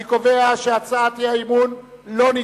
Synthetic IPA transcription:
ikoveaʃeat͡saːt̪jiaimunlo̞ni

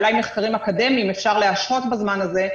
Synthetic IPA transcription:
lajmeχkaʁimakad̪e̞mimefʃaʁle̞aʃχo̞t̪bazmanaze̞

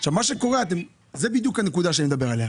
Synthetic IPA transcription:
aʃavmaʃekoʁeat̪em | zebid̪jukanekud̪aʃanimd̪abeʁaleha

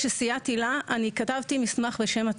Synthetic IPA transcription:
ʃesijat̪ilaʔanikatavt̪imismaχbeʃe̞mat

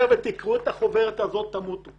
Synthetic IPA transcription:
vet̪ikʁuet̪aχo̞veʁet̪azo̞t̪ːamut̪

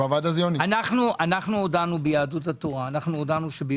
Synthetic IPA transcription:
avad̪azjonianaχnuʔanaχnuodanubejaːdutat̪o̞ʁaːnaχnuodanuʃebe

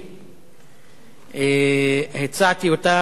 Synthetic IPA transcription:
ehet͡sat̪iot̪a

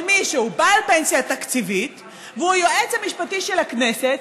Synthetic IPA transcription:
miʃeubaːlpensjat̪akt͡sivit̪ | veujoʔet͡shamiʃpatiʃelakne̞set̪

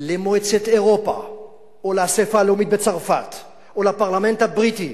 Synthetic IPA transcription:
lemoet͡set̪eʁo̞pa̰ | oleasefaleomit̪̚bet͡saʁfat̪ | olapaʁlame̞nt̪habʁiti

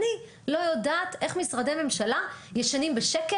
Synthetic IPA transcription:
ni | lo̞jodaːt̪ʔe̞χmisʁad̪eme̞mʃalajeʃanimbeʃeke

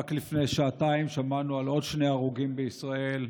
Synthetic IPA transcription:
aklifnejʃaataimʃamanualo̞dʃneaʁuɡimbeisʁae̞l

